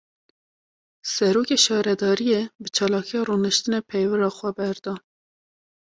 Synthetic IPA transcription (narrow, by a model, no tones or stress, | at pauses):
sɛɾoːkʲeːʃɑːɾɛd̪ɑːɾijebɨt͡ʃʰɑːlɑːkʰijɑrunɨʃt̪ɨnɛpʰɛjvɨɾɑːxʷɛbɛɾd̪ɑː